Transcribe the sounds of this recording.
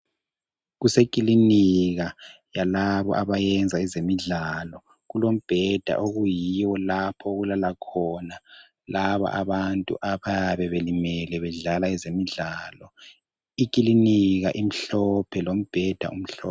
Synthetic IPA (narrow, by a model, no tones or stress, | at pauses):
ɣusekʼiliniɣa | jalaβɔ̰ʔaβajɛnd͡zʱaɛzemiɮalɔ | ɣulom̩b̥ʱɛd̥ʱa̰ʔoɣujiwɔlapʰɔɣulalakʰɔna | laβa̰ʔaβantʼṵʔaβajaβɛβelimɛlɛβɛɮalaɛzemiɮaːlɔ | ikʼiliniɣaʔim̩ɬɔpʰɛlom̩b̥ʱɛd̥ʱa̰um̩ɬɔːp